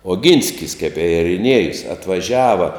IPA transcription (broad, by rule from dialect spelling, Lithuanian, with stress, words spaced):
oːˈɡʲiːnʲsʲkʲɪs kʲɛp ɪ ɛrʲɪˈnʲiɛjʊs ɐtʋɐˈʒʲæːʋɐ